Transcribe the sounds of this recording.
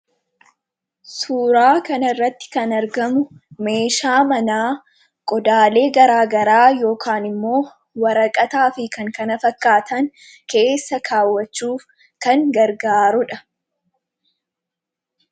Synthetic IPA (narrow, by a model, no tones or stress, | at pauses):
suːɾaːkɐnɐɪrːɐt̪ːɪ̥kɐnɐɾɡɐmʊme̞ːʃaːmɐnaː | kʼɔd̪aːle̞ːɡɐɾaːɡɐɾaːjo̞ːkʰaːnɪmːo̞ː | wɐɾɐkʼɐt̪aːfɪkɐŋkɐnɐfɐkːaːt̪ɐŋ | ke̞ːsːɐkʰaːwːɐt͡ʃːuːf | kɐŋɡɐɾɡaːɾʊᶑɐ